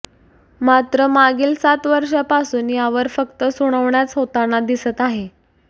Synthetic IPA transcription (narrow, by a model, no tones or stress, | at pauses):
mat̪ɾəmaɡiːlsat̪ʋəɾʂjapasuːnjaʋəɾfəkt̪əsuɽ̃əʋɳjat͡sɦot̪anad̪isət̪aɦe